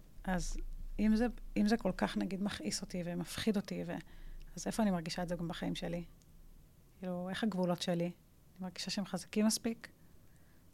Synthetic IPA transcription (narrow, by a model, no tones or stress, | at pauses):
ʔazimzeimzeko̞lkaχnaɡid̪maχʔiso̞t̪ivemafχido̞tivḛaze̞foanimaʁɡiʃaezeɡambaχaimʃe̞li | kiːlue̞χaɡvulo̞tʃeli | animaʁɡiʃaʃeemχazakimːaspik